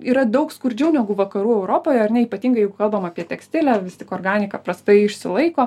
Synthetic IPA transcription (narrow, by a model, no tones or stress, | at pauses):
iːɾɐd̪ɐʊkskʊɾʲd͡ʒʲɛʊnʲɛɡʊʋɐkɐɾuːɛʊɾoːpoːjɛɐɾʲnʲɛipɐt̪ʲiːŋɡɐɪjɛɪɡʊkɐlˠbɐmɐːpʲiɛt̪ʲɛksʲt̪ʲɪlʲæʋʲɪst̪ʲɪkoːrɡɑːnʲɪkɑpɾɐst̪ɐɪɪʃʲsʲɪlˠɐɪkoː